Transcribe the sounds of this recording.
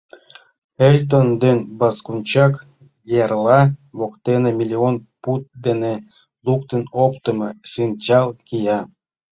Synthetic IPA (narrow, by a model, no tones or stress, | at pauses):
elʲt̪̬ənd̪enbɑskunʲt͡ɕɑk | jɑrlɑβokt̪enemʲilʲionput̪̚d̪ene | luk̚t̪ənopt̪ə̆mɤʃint͡ɕɑlˠkijɑ